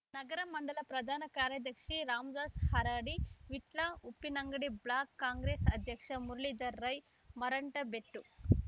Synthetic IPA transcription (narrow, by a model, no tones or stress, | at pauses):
nɐɡɐɾɐmɐɳɖɐlɐpɾɐd̪ʱaːnɐkaːɾjɐd̪ʱjɐkʂiɾaːmd͡ʒaːshɐɾaːɽiʋiʈlɐupːinɐŋɡɐɽibɭaːkːaːŋɡɾeːsɐd̪ʱjɐkʂɐmuɾɐɭid̪ɐɾːɐj | mɐɾɐɳʈɐbeʈːu